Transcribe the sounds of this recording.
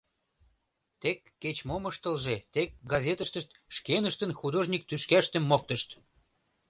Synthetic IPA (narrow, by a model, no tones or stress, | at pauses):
t̪ekːet͡ɕmoməʃt̪əlʒet̪ek̚ɡɑzʲet̪əʃt̪əʃt̪ | ʃkenəʃt̪ənxud̪oʒnʲik̚t̪yʃkæʃt̪ə̆mːok̚t̪əʃt̪